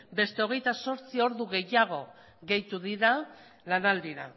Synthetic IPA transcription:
be̞st̪e̞o̞ɣ̞e̞jt̪aso̞ɾt͡sio̞ɾðuɣe̞jaɣ̞o̞ | ɣe̞jt̪uðiɾa | lanald̪iɾa̰

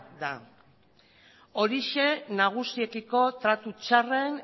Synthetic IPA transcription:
d̪a | o̞ɾiʃe̞naɣ̞usie̞kiko̞t̪ɾat̪ut͡ʃare̞n

